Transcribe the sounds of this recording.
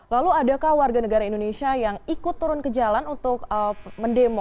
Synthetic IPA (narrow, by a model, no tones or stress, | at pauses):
laluadakahwarɡanəɡaɾaindonesiajaŋikʊt̪ːuɾʊnkəd͡ʒalanunt̪ʊk̚əməndemɔ